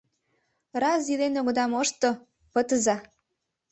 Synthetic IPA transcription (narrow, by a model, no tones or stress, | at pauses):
rɑzilenoɣɤ̆d̪ɑmoʃt̪ŏ | pət̪əzɑ